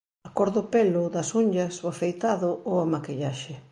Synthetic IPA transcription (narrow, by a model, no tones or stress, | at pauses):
akɔɾðʊpelʊðɐsuɲʎɐsoafejt̪aðʊoamakiʎaʃɪ